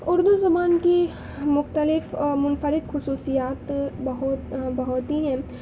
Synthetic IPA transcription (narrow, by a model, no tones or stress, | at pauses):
ʊɾd̪uzɐmaːnki | mʊxt̪əlɪfmʊnfəɾɪd̪xʊsuːsijaːt̪bɐɦʊt̪bɐɦʊt̪iɦɛ̃ː